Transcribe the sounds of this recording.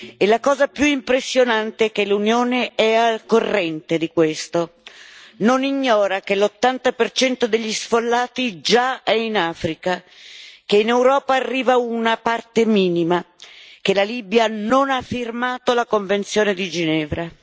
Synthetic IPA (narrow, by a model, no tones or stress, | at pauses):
elakɔːzapjuimpɾesːjonant̪ekelunjoːneɛakorːɛnt̪ed̪ikwest̪o | noniɲːɔːɾak̟elot̪ːant̪apert͡ʃɛnt̪od̪eʎːisfolːaːt̪id͡ʒaɛinaːfɾika | keinewɾɔːpaːrːiːvaunapart̪emiːnima | k̟elaliːbjanonafːirmaːt̪olakoɱvent̪sjoːned̪id͡ʒinɛːvɾa